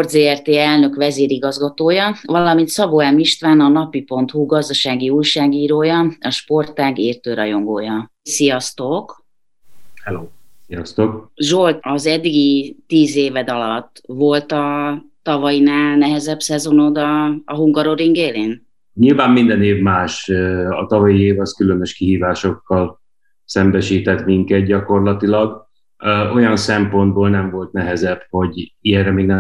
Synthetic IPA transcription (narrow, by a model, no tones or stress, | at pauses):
ort̪zeːɛrt̪eːɛlnø̞kʋɛzeːɾiɡɒzɡɒt̪oːjɒvɒlɒmint̪sɒboɛmiʃt̪ʋaːnɒnɒpipo̞nt̪huɡɒzd̪ɒʃaːɡiuːjʃaːɡiːɾoːjɒɒʃpo̞rt̪ːaːɡeːrt̪øːɾɒjo̞ŋɡo̰ːjɒ | sijɒst̪o̞k | hɛloːsijɒ̰st̪okʒolt̪ɒzɛd̪ːiɡit̪iːzeːvɛd̪ɒlɒt̪ːvo̞lt̪ɒt̪ɒvɒjinaːlnɛɦɛzɛbsɛzo̞nod̪ɒːɦuŋɡɒɾoɾiŋɡeːlen | ɲilvaːmːind̪ɛneːvmaːʃɒt̪ɒvɒjieːvɒskylønøʃkiɦiːvaːʃo̞kːɒl | sɛmbɛʃiːt̪ɛt̪miŋkɛt̪̚ɟɒko̞rlɒt̪ilɒɡ | ʔo̞jɒnsɛmpo̞nd̪̚boːlnɛɱvo̞lt̪̚nɛɦɛzɛb̥ho̞ɟiɛrɛmeːɡnɛ